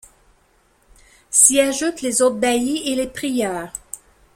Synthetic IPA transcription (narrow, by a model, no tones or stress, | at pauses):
siaʒut̪lezot̪̚baielepχijœːʁ